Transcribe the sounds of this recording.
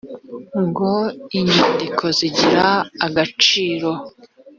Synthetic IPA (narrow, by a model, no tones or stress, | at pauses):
ŋɡo̞iɲandikʰo̞ziɟiɾaːɡat͡ʃiːɾo̞